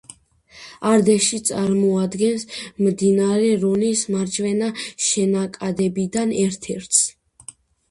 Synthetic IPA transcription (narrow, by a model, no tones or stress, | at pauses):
aɾd̪ɛʃit̪sʼaɾmɔad̪ɡɛnsmd̪inaɾɛɾɔnismaɾt͡ʃʰvɛnaʃɛnakʼad̪ɛbid̪anɛɾt̪ʰɛɾt̪ʰs